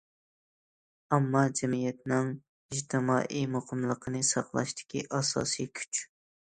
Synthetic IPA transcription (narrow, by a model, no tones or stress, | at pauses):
ɑmːɑd͡ʒɛmijɛt̪nɪŋ | iʒt̪ʰɪmɑ̰ːʔimoqʰəmlˠəqʰənɨsɑqlˠɑ̰ʃt̪ɪ̥kʲʰḭʔɑsɑ̰ːsijkʲʰy̥t͡ʃ